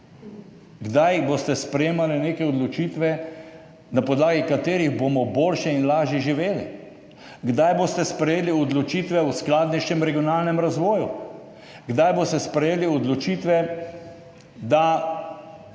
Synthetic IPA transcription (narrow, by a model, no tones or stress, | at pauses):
ɡd̪ajbost̪ɛspɾɛjeːmalineːkɛɔd̪lɔt͡ʃit̪ʋɛ | napɔd̪laːɡikat̪eːɾiɣbomɔboːlʃɛinlaːʒjɛʒiʋeːlḭ | ɡd̪ajbost̪ɛspɾɛjeːliɔd̪lɔt͡ʃiːt̪ʋɛusklaːd̪nɛʃɛmɾɛɡionaːlnɛmɾazʋɔːju | ɡd̪ajboːst̪ɛspɾɛjeːliɔd̪lɔt͡ʃiːt̪ʋɛ | d̪a